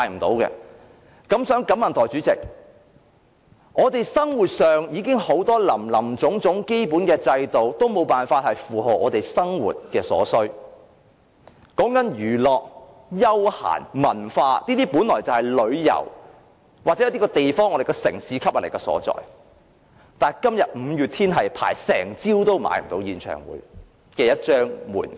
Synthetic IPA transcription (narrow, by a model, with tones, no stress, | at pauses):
jm̩˨˩t̪o˨˥wkɛ̰ː˧ | kɐ˨˥msœː˨˥ŋkɐ˨˥mːɐ˨nt̪ʰːt͡ʃyː˨˥t͡sɪ̰˨k̚ | ŋɔː˨˧t̪e˨jsɐ˥ŋwuː˨t̚sœː˨ŋjiː˨˧kɪ˥ŋho˨˥wt̪ɔː˥lɐ˨˩mlɐ˨˩mt͡sʊ˨˥ŋt͡sʊ˨˥ŋke˥jpuː˨˥nkɛː˧t͡sɐ˧jt̪o˨wt̪o˥wmo˨˧wpaː˨˩nfaː˧t̚hɐ˨jfuː˨ɦɔ˨˩ʔɔ̰ː˨˧t̪e˨˩jsɐ˥ŋwṵː˨t̚kɛː˧sɔ̰ː˨˥sɵ˥ɥ | kɔː˨˥ŋkɐ˨˥njyː˨˩lɔː˨k̚ | jɐ˥wha̰ː˨˩nmɐ˨˩nfaː˧niː˥t̪iː˥puː˨˥nlɔː˨˩jt͡sɐ˨whɐ˨jlɵ˨˧ɥjɐ̰˨˩w | waː˨k̚t͡sɛ˨˥jɐ˧˦t̪i˥kɔː˧t̪e˨jfɔː˥ŋɔː˨˧ɾe˨jkɔː˧sɪ̰˨˩ŋsiː˨˥kʰɐ˥p̚hɐ˨˩lkɛ˧sɔ̰ː˨˥t͡sɔ̰ː˨j | t̪aː˨nkɐ˥mjɐ˨t̚m̩˨˧jyː˨t̪ʰiː˥nɦɐ˨jpʰa̰ː˨˩jsɛ̰ː˨˩ŋt͡siː˥wt̪o˥wma̰ː˨˥j̰t̪o˨˧wjiː˨˧nt͡ʃʰœ̰ː˨˩ŋwṵː˨˥j | kɛː˧jɐ˥t̚t͡ʃœː˥ŋmṵː˨˩n